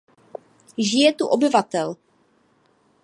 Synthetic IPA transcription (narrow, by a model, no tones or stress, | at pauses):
ʒɪjɛt̪uʔobɪvat̪ɛl